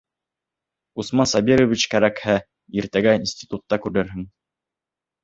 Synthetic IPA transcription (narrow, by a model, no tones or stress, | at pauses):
usmɑnsɑbʲiɾovʲit͡ɕkæɾækhæ | iɾt̪æɡæinsʲt̪ʲi̥t̪ut̪ːɑkʉɾɘɾɦɘŋ